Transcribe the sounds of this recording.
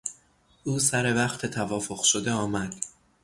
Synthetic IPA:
ʔuːsæɾe̞væχt̪ʰet̪ʰævɒːfo̞qʃo̞d̪e̞ɒːmæd̪̥

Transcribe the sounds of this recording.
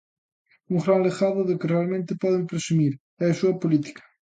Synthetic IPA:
ũŋrawleɣaðʊðɪkɪrealˠmẽnt̪ɪpɔðẽŋpɾesumiɾ | ɛɐsuɐpolit̪i̥kɐ̥

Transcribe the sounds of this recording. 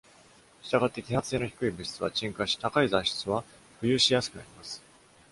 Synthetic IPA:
ɕi̥t̪aɡat̪ːe̞kʲihat͡sɨ̥eːnoçi̥kɯ̟ibɯ̟ɕi̥t͡sɨβa̰t͡ɕĩŋkaɕi̥t̪akaizaɕi̥t͡sɨβa | ɸɯ̟jɯ̟ːɕijasɨ̥kɯ̟na̰ɾʲimasɨ̥

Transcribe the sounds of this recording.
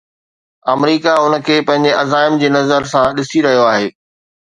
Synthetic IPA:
ɐmɾiːkaʊnəkʰeːpɐ̃ɦɪ̃ɲ̆d͡ʑeʔɐzaːɪmd͡ʑeːnɐzəɾsãɗɪsiɾɐɦijoaːɦeː

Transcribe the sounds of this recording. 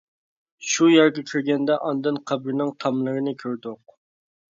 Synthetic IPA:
ʃujæɾɡʲɛkʲʰiɾɡʲɛnd̪ɛʔɑnd̪ɨnqʰɑbɾnɨŋt̪ʰɑmlˠəɾɨnɨkʲʰøɾd̪ʊq̚

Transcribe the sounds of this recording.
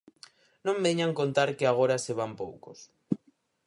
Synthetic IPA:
nõmbeɲaŋkont̪aɾkeaɣ̞oɾaseβ̞ampowkos

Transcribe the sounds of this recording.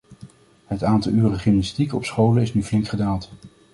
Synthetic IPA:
ɦətaːntɑlˠyːrəχɪmnɑstikɔpsχowlənɪsnyvlɪŋkχədaːlˠt

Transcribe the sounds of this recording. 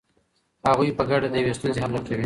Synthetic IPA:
haɣujpəɡaɖad̪əjawest̪unzeɦamlakawi

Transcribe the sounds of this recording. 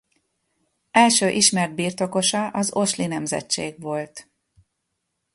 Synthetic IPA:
ɛlʃøːʔiʃmɛrd̪̚biːrt̪o̞ko̞ʃɒʔɒzo̞ʃlinɛmzɛ̰t͡ʃːeːɡʋo̞lt̪

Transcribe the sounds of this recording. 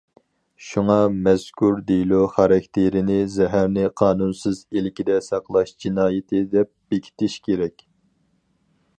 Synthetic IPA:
ʃuŋɑmɛskʲʰuɾd̪ilˠuχɑɾɑkʲt̪ʰeɾɪnɪzɛɦæɾnɪqʰɑːnunsɨzelɪkʲid̪ɛsɑqlˠɑʃd͡ʒinɑːjɪt̪ʰɪd̪ɛp̚b̥ekʲʰi̥t̪ɪʃkʲʰeɾɛkʲ

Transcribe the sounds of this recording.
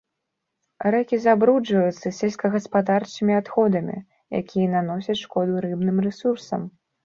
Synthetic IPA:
ɾɛkʲizabɾud͡ʐvɐjut̪sːɐsʲɛlʲsʲkɐɣɐspad̪art͡ʂɨmʲiat̪xɔd̪ɐmʲḭ | ja̰kʲʰijɐnan̪ɔsʲɐt̪ʂkɔd̪uɾɨbnɨmrɛsursɐ̰m

